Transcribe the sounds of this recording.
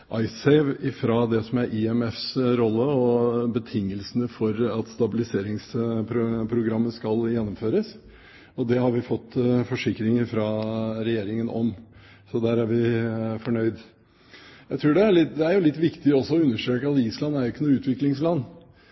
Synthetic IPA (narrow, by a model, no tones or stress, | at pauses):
ʔɑɪsɛɪʋɪfɾɑd̪ɛsɔmæɾʔɪɛmɛfsɾɔlːəɔbət̪ʰɪŋːəlsənəfɔɾɑt̪st̪ɑbɪlɪseːɾɪŋspʰɾʊpʰɾʊɡɾɑmːəskɑljɛnːɔmføːɾəs | ɔd̪ɛhɑɾʋɪfɔt̪ːfɔʂɪkːɾɪŋəɾfɾɑːɾɛjeːɾɪŋənɔ̰m | sɔd̪æːɾæɾʋɪfɔɳœʏd̪ | jæɪt̪ʰɾuːɖɛæɭɪd̪ɛæɾjʊlɪt̪ːʋɪkt̪ɪɔsːɔɔʉnːəʂʈ̪ɾøːkəɑt̪iːslɑnːæɾjʊɪkːənuːɾʉːt̪ʋɪklɪŋslɑnː